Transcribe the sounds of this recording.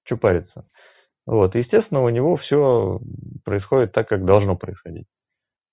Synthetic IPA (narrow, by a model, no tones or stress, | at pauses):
t͡ɕʊpaɾʲɪt̪sə | vo̞t̪jɪsʲtʲest̪vʲɪnəʊnʲɪvo̞fsʲo | pɾəɪsxo̞dʲɪt̪ːakːak̚d̪ɐlˠʐno̞pɾəɪsxɐdʲḭtʲ